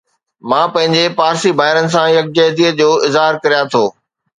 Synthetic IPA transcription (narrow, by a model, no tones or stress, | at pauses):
mãːpɐ̃ɦɪ̃ɲd͡ʑepaːɾsibʱaːɪɾənɪ̆s̬ãjɐk̚d͡ʑɛːɦd̪iːəd͡ʑoːɪzɦaːɾkɐɾijat̪ʰoː